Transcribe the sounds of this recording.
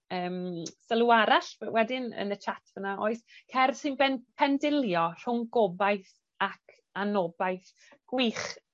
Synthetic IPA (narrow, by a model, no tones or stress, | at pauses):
əːmsəlˠuaɾaɬwɛdɪnə̰nət͡ʃʰatʰvənaoːɨskʰɛrsɨnbɛnpʰɛndɪlˠjɔr̥ʊŋɡɔbajθ | akʰ | anɔbajθ | ɡ̥wiːχ